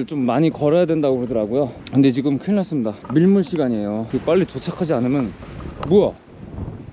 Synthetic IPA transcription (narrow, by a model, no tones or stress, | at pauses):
ɭt͡ɕ͈omːaɲikʌɾajadwe̞ndaɡohedʌɾaɡojokɯnde̞t͡ɕiɡɯmkʰɯɭnas͈ɯmɲidamiɭmuɭɕʰiɡaɲie̞joɯɡep͈aʎːitot͡ɕʰakʰad͡ʑianɯmjʌnmuʌ